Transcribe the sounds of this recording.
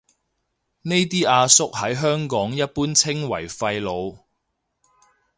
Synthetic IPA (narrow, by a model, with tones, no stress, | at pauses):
ne˥jt̪iː˥aː˧sʊ˥k̚hɐ˨˥jɦœː˥ŋkɔː˨˥ŋjɐ˥t̚puː˥nt͡sʰɪ˥ŋwɐ̰˨˩jfɐ˧jlo˨˧w